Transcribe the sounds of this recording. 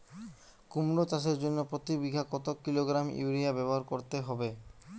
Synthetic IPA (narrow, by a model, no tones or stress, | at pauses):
kumɾot͡ɕaʃeɾd͡ʑonːopɾot̪ibiɡʱakɔt̪okːiloɡɾamj̰uɾiabɛboɦaɾkoɾt̪eɦɔbe